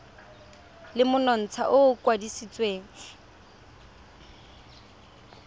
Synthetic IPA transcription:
lɪmʊnɔn̩t͡sʰa̰ʔʊkwadisit͡sʼweːŋ̩

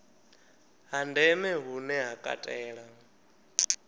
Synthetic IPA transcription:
ɦandɛmɛɦunɛɦakʼa̰tʼɛːɺa

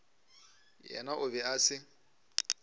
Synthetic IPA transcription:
jɛ̰naʔʊβɛasɪ

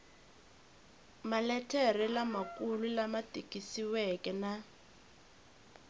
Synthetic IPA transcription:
malɛtʰɛrilamakʼululamatʼikʼisiwɛkɛna

